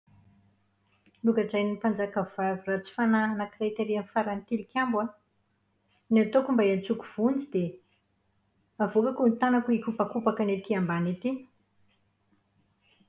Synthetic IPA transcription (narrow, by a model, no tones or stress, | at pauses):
luɡaʈ͡ʂajnipand͡zakavavirat͡si̥fananakret̪eɾianfaɾant̪ilikʲambwa | niat̪okumbaant͡sukuv̥und͡zid̪e | avokakunit̪anakuikupakupakaneikiambanit̪i